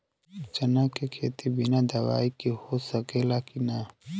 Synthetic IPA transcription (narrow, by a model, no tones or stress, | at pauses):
t͡ʃɐnakekʰeːt̪ibinad̪ɐwa̰ːikihosɐkelaːkina